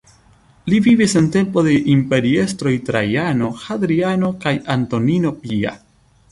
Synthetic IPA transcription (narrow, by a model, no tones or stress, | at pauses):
livivisente̞mpo̞de̞ʔimpe̞ɾie̞stɾo̞jtɾajano̞had̪ɾiano̞kajanto̞nino̞pia̰